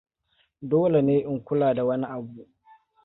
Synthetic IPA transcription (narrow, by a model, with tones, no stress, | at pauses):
doː˦le˨neː˦ʔɪ˨ŋkʷʊ˦laː˨da˨wɐ˦ni˦ʔa˨bu˨ʔ